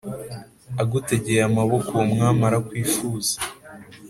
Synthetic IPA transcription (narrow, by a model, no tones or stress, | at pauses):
aɡute̞ɟe̞amaβo̞komŋaːmaɾakwiːfuːz̥ḁ